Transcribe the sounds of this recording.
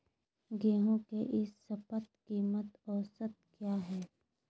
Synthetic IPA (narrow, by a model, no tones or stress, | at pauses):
ɡeːɦõkeʔɪsːɐpət̪̚kiːmət̪ɔːsət̪̚kjaːɦɛː